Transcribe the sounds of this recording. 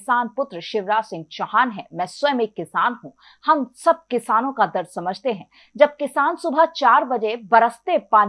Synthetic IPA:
saːnpʊt̪ɾəʃɪʋɾaːsɪ̃ŋɡ̚t͡ʃɐɦaːnɦɛ̰̃ːmɛ̃ːsɛmẽkːɪsaːnɦũː | hɐmsɐb̚kɪsaːnõkad̪ɐɾdsɐməd͡ʒʱt̪eɦɛ̃ | d͡ʒɐb̚kɪsaːnsʊbʱət͡ʃaːɾbɐd͡ʒebɐɾəst̪epaːn

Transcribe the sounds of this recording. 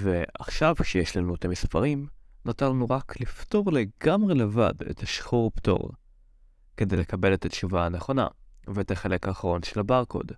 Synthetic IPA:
vea̰χʃavkʃejeʃlanuotamispaʁimnotalanuʁakʰlifto̞ʁle̞ɡamʁeleva̰dḛtʰaʃχuʁpto̞̰ʁ | ke̞dejle̞kabe̞letatt͡ʃuvaːne̞χo̞na̰veet̪aχe̞le̞kaːχaʁo̞nʃelabaʁko̞̰d

